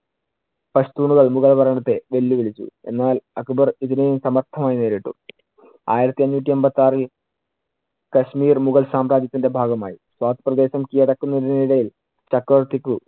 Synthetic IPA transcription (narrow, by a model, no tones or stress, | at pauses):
pɐst̪uːɳuɣɐɭmuɣɐlʋɐɾɐɳɐt̪ːe̞ʋe̞lːuʋiɭit͡ɕːṵe̞̰nːaːlɐkːubɐriðinejumsɐmɐrt̪ʰɐmaːjineːɾiʈːṵ | a̰ːjiɾɐt̪ːiɐnːuːt̬ːiembɐt̪ːaːri | kɐɕmiːrmuɣɐlsaːmɾaːd͡ʑ̪jɐt̪ːinde̞bʱaːɡɐmaːjiswaːt̪ːɨ̥prɐd̪e̞ːɕɐmkijɐɽɐkːunːɐðiniɽɐjil | t͡ɕɐkːɐʋɐrt̪ːikʲːu